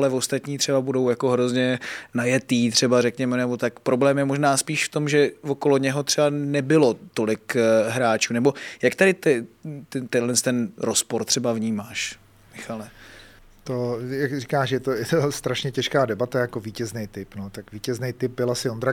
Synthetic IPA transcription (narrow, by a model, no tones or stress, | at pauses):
alɛvost̪at̪ɲiːt̪r̝̥ɛbabudo̞wjako̞ɦɾo̞zɲɛnajɛt̪iːt̪r̝̥ɛbaɾɛkɲɛmɛnɛbo̞t̪akpɾo̞blɛːmjɛmo̞ʒnaːspiːʃft̪o̞mʒɛvoko̞lo̞ɲɛɦo̞t̪r̥ɛbanɛbɪlo̞t̪o̞lɪkɦɾaːt͡ʃuːnɛbo̞jakt̪adɪt̪ɛt̪ɛt̪ɛnlɛnst̪ɛnɾo̞spoɾt̪r̥ɛbavɲiːmaːʃ | mɪxalɛ | t̪ojakrikaːʃjɛt̪ojɛt̪ost̪ɾaʃɲɛcɛʃkaːdɛbat̪ajakoviːcɛznɛjt̪ɪpnot̪akviːcɛznejt̪ɪp̚bɪlasɪond̪ɾa